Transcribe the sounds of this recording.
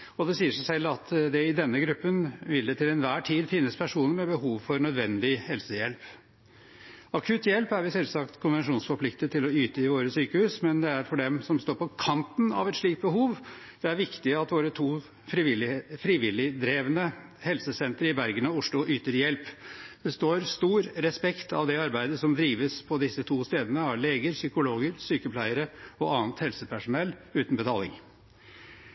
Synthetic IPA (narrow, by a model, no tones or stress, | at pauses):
ɔd̪ɛsiːəʂæsɛlːɑt̪d̪ɛɪd̪ɛnːəɡɾʉpːənʋɪld̪ɛt̪ɪlɛnʋæːʈʰiːd̪fɪnːəspʰæʂuːnəɾmɛbəhuːʋfɔɾnœd̪ʋɛnd̪ɪhɛlsəjɛlp | ɑkʰʉt̪jɛlpæɾʋɪsɛlsɑkt̪kʰʊnʋɛnʂuːnsfɔɾpʰlɪkt̪ət̪ʰɪlɔyːt̪əɪʋoːɾəsyːkəhʉːsmɛnd̪ɛæɾfɔɖɛmsɔmst̪oːɾpʰɔkʰɑnt̪n̩ɑ̰ʋɛt̪ʂɭiːk̚t̪̚bəɦuːʋ | d̪̥ɛæɾʋɪkt̪ɪəɑt̪ʋoːɾət̪ʰuː | fɾɪlfɾiːʋɪlɪd̪ɾeːʋənə | hɛlsəsɛnt̪əɾɪbæɾɡənɑʊʂlʊʔyːt̪əɾjɛlpb̪̥ɛst̪oːɾst̪uːɾɾɛspɛkt̪ɑ̰ʋd̪ɛɑɾbæɪd̪əsɔmd̪ɾiːʋəspʰɔd̪ɪsːət̪ʰuːst̪eːd̪ənəɑɭeːɡəɾsʏkʊloːɡəɾsyːkəpʰlæɪəɾəɔʔɑːnt̪hɛlsəpʰæʂʊnɛlːʉːt̪n̩bət̪ʰɑːlɪ̰ŋ